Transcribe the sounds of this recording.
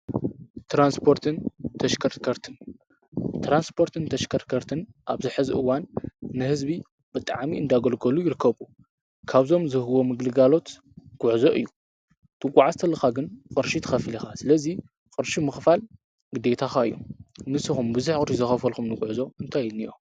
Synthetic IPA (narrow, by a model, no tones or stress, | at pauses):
t̪ɾanspʰo̞ɾt̪ʰɨnt̪ʰɐʃkʰɐɾkʰɐɾt̪ʰɨn | t̪ʰɾanspʰo̞ɾt̪ʰɨnt̪ʰɐʃkʰɐɾtkʰɐɾt̪ʰɨnʔaβzɨħɨzɨʔɨwanːɨhɨzbi | bɨt̪ʼaʕmiɨnd̪aɡɐlɡɐlujɪɾɨkʰːɐβu | kʰaβzo̞mzɨhɨwo̞mɨɡlɨɡalo̞t̪ | ɡ̥ʼʊʕzo̞ʔɨ̰jːu | t̪ʰʼɨkʼːaʕast̪ʰɐlːɐxaɡɨnqʼɨɾʃit̪ʰɐ̥xɐfilixasɨlɐzi | kʼɨɾʃimɨxfal | ɡ̥ɨd̪e̞t̪ʰaxaɨjːonɨsːɨxumbɨzuħkʼɨɾʃizɨxɐfɐlxumnɨɡʼʊʕzo̞ɨnt̪ʰajnijʔo̰